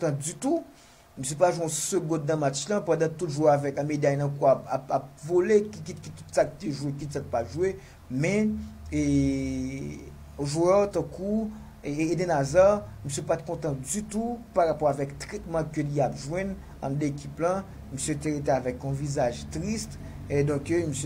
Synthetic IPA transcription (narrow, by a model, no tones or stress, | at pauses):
kõt̪ɑ̃d͡zyt̪u | møsjepaʒwɛ̃ɔ̃søɡɔ̃d̪ːɐ̃mat͡ʃlɐ̃pãd̪ãt̪ut̪ʒuweavɛkãmed̪ajnãkuapapap̚volekikitkit̪ut̪sakt̪eʒuwek̬it̪sak̚paʒuwe | mɛ̃e | ʒuœʁt̪ãku | edɛnazaʁmøsɥepat̪̚kɔ̃t̪ɑ̃d͡zyt̪upaʁapɔʁavɛkt̪ʁɛt̪̚mãkøliapʒwɛ̃n | ã̰mdekʰiplɐ̃ | møsjet̪eʁet̪eavɛkɔ̃vizaʒt̪ʁist̪ | d̪ɔ̃kms